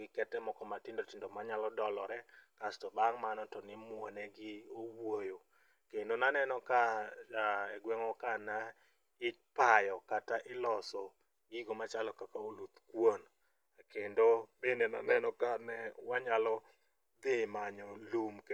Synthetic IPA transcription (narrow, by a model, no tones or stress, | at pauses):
ɡɪkɛtɛmɔkɔmatɪndotɪndomaɲalɔdɔlɔɾɛkastɔbaŋmanɔtɔnɪmwonɛɡɪowojo | kendonanɛnɔkaaɛɡwɛŋɔkana | ɪt͡ʃ̚pajɔkataʔɪlɔsɔ | ɡiɡomat͡ʃalɔkakaolut̪kwon | kendobenenanɛnɔkanɛwaɲalɔ | d̪ɪmaɲɔlumk